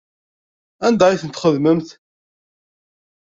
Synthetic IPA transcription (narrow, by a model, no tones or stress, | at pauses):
ænd̪æiθənt̪χəðməmθ